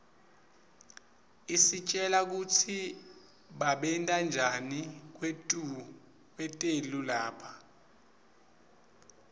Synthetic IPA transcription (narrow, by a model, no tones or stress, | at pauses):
isit͡ʃʼɛlak̬utʰi | ɓaɓɛntʼand͡ʒʱanik̬wetʼu | k̬ʼwɛtʼelulaːpʰa